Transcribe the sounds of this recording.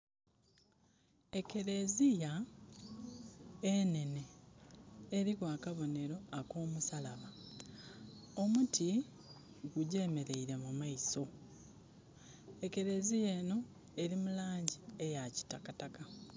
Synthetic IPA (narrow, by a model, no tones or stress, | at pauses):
e̞ke̞ɾe̞zija | ene̞ne̞ː | ɾikwaːkaβo̞ne̞ɾo̞ako̞ːmusalaβa | omuti | ɡuɟe̞ːme̞ɾe̞iɾe̞mumaiso̞ | e̞ke̞ɾe̞zije̞ːno̞ | e̞ɾimulaːɲɟiejaci̥takataka